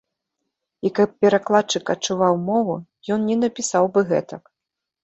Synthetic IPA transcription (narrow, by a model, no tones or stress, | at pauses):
ikɐp̚ːʲɛɾaklˠatt͡ʂɨkɐtt͡ʂuvawmɔvu | jɔnnʲɛnɐpʲisawbɨɣɛ̰t̪ɐk